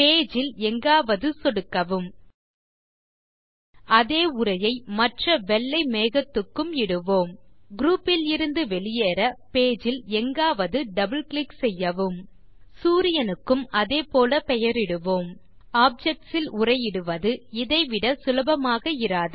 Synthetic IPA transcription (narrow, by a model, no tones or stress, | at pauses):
peːd͡ʒɪlɛŋɡaːʋɐðɯsɔɽɯkːɐʋɯm | ʔɐðeːʊrɐjɐɪmɐʈrɐʋɛɭːɐɪmeːɣɐt̪ːɯkːɯmɪɽɯʋoːmɡɾuːpːɪlɪɾɯnd̪ɯʋɛɭɪjeːɾɐpeːd͡ʒɪlɛŋɡaːʋɐðɯɖɐbɯlklɪksɛjːɐʋɯm | suːɾɪjɐnɯkːɯmɐðeːpoːlɐpɛjɐɾɪɽɯʋoːm | aːp̚d͡ʒɛk̚ʈsɪlʊrɐɪɪɽɯʋɐðɯɪðɐɪʋɪɽɐsʊlɐbɐmaːɣɐɪɾaːðɯ